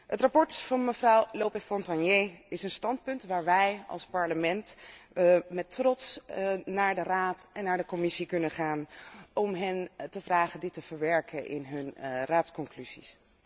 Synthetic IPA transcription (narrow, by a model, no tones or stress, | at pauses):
ɦətrapɔɹtfɑnməvrɑwloːpɛfɔntɑnjeɪsənstɑnt̚pɵntʋaːɹʋɛjɑ̰lˠspɑɹləmɛnt | mɛtrɔtsnaːɹdəraːtɛnːaːɹdəkɔmɪsikɵnəχaːnɔmɦɛntəvraːχədɪtəv̥əɹʋɛɹkʰəʔɪ̰nɦɵnraːtskɔŋklyz̥is